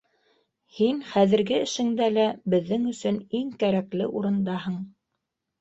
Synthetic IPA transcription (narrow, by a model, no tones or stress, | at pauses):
hinχæðɘ̆ɾɡɘɘ̆ʃɘ̆ŋd̪ælæbɘ̆ðːɘŋɵ̆sɵniŋkæɾæklɘ̰ʔuɾɤ̆nd̪ɑɦɤɴ